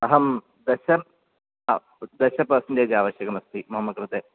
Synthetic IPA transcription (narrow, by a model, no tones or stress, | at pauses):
ɐɦɐm | d̪ɐɕɐm | d̪ɐɕɐpːɐsɐnded͡ʑaːʋɐɕjɐɣɐmɐst̪ʰimɐɦɐmːɐkɾɨt̪e